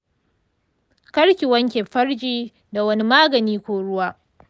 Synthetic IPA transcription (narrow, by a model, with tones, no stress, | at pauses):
kɐ˦ɽkʲɪ˨wɐ˦ŋkʲeː˨ɸɐ˦ɽd͡ʒiː˦ | da˨wɐ˦ni˦maː˦ɡɐ˨niː˦kʷoː˦ɽʊ˦waː˦